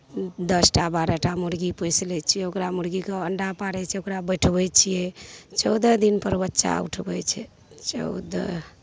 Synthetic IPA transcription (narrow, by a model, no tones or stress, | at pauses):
d̪əsʈabaɾəʈamuɾɡipəjslɛt͡ʃʰijɛokɾamuɾɡikeəɳɖapaɽɛt͡ʃʰɛokɾabəjʈʰbɛt͡ʃʰijɛt͡ʃəwd̪əd̪inpəɾbətːʃa̰ṵʈʰbɛt͡ʃʰɛ | t͡ʃə̰ʊd̪ə̰